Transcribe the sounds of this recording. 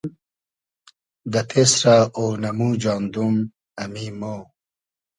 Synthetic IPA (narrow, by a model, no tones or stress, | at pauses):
d̪ɐt̪ʰesɾaonɐmud͡ʑɑːnd̪um | ɐmimo